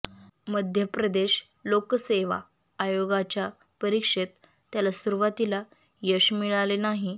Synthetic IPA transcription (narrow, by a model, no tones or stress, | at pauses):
məd̪ʱjəpɾəd̪eɕ | lokseʋa̰ː | joɡat͡ɕja | pəɾikʂet̪ː | jalasuɾuʋat̪ila | jəɕmiɭalenaɦi